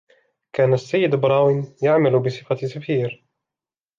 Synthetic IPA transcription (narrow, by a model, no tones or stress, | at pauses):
kaːnasːajːɪd̪bɾˤɑːwɪnjaʕmalbɪsˤɨfasafiːɾ